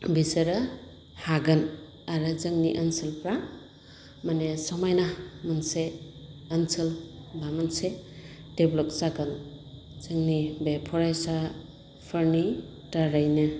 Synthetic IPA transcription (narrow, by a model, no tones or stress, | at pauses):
bisɐɾɐ | haɡɯn | aɾɯzɯŋniʔɐnsɯlpɾa | manesɔmajnamɐnseː | nsəlbamanse | d̥eblɔk̚saɡɯn | zɯŋnibepʰɔɾajsa | pʰəɾni | taɾajnɯ